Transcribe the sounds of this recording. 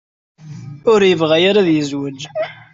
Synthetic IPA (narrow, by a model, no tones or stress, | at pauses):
ʊɾjəvʁæjaɾaðjəzwəd͡ʒ